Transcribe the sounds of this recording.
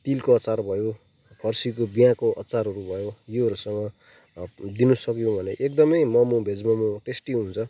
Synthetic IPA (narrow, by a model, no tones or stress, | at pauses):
t̪ilkoʌt͡sarbʱʌjo | pʰʌrsik̬obijãkoʔʌ̰t͡saɾɦʌɾubʱʌjojeɦʌɾusʌŋʌ | d̪inusʌkjõbʱʌneʔek̚d̪ʌmʌjmʌmũbʱed͡zmʌmũʈesʈiɦunt͡sʰʌ